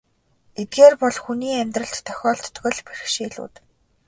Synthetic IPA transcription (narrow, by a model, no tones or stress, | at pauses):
et̪̚ɡeːrpɔɮxuniːæmʲt̪rə̆ɬt̪ːʰœ̥xʲɔːɬt̪ːɣɞ̆ɮpæ̥ɾ̆xʃiːɮṵːt̪